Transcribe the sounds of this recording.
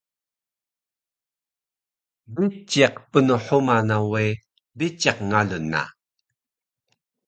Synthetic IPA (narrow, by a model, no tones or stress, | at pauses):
bit͡ɕiqpənuħumanawe | bit͡ɕaqŋaɮunːa̰